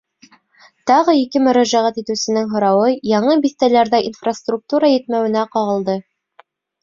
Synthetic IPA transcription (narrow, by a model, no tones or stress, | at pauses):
t̪ɑʁɤikɘmɵ̆ɾæʒæʁæt̪it̪ɘ̆wsɘ̆nɘŋɦŏɾɑwɤjɑɴɤbiθt̪ælæɾðæʔinfrast̪ruk̚t̪uɾajɘ̆t̪̚mæwɘ̆næqɑʁɤ̆lˠd̪ɤ